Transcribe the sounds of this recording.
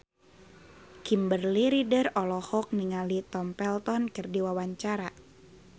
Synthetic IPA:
kimbərliɾidərɔlɔhɔk̚niŋalit̪ɔmpɛlt̪ɔnkɨrdiwawaɲt͡ʃaɾa

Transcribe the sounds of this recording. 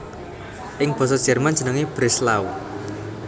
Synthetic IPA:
ʔɪŋb̥ɔ̤s̬ɔd̥ʒ̥ɛ̤rman̥d͡ʒ̥ə̤nəŋib̥ɾɪslaw

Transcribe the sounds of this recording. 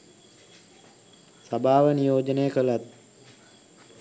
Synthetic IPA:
sabʱaːʋənijoːd͡ʒənəjəkəlat̪̚

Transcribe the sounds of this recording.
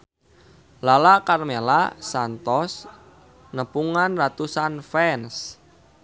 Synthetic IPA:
lalakarmela̰sant̪ɔs | nəpuŋanrat̪usanfɛns

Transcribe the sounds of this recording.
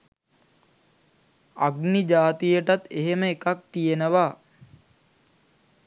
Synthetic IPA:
a̰ɡnid͡ʒaːt̪ijəʈat̪eɦeməekak̚t̪ijenəʋa

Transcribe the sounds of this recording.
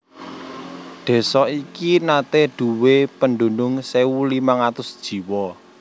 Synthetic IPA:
ɖ̪̥e̤sɔikinat̪eɖ̪̥ṳwepənɖ̪ṳnʊŋsewulimaŋat̪ʊsd̥ʒ̥i̤wɔ

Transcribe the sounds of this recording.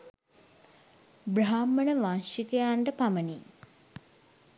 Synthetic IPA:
braaːmːənəʋanʃikejaɳɖəpaməni

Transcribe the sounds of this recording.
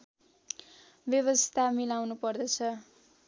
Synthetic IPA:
bjʌβʌst̪ʰamilawnupʌrd̪ʌt͡sʰʌ

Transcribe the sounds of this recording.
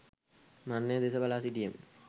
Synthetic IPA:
manːed̪esɐbɐlaːsiʈijɐm

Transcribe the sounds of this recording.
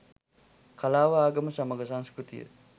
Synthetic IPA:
kʰɐlaːʋaaːɡɐməsɐmɐɡɐsãŋskɾut̪ḭjə̰

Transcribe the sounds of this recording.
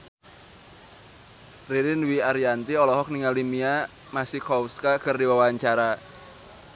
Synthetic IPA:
riɾɪnwiaɾiant̪iɔlɔɦɔk̚niŋalimia | masihkɔuskakərdiwawaɲt͡ʃaɾa

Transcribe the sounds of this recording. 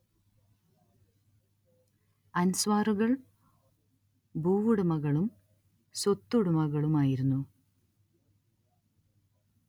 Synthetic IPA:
ɐnsʋaːruɣɐɭ | bʱuːʋuɽumɐɣɐɭum | sot̪ːuɽumɐɣɐɭumaːjiɾunːu

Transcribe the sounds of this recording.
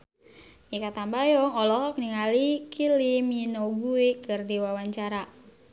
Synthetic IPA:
ikat̪ambajɔŋɔlɔɦɔkniŋalikiliminɔɡuekɨrdiwawaɲt͡ʃaɾa

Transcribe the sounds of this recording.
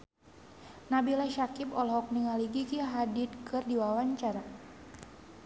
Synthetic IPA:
nabilaʃakipɔlɔɦɔk̚niŋaliɡiɡiaɦadit̪̚kɨrdiwawaɲt͡ʃaɾa

